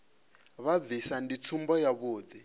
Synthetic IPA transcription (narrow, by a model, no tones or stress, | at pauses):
βavisandit͡sʰumbɔjaβoːd̪i